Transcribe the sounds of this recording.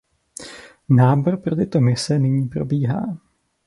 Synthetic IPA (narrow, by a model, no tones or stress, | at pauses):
naːboɾpɾot̪ɪt̪o̞mɪsɛnɪɲiːpɾo̞biːɦa̰ː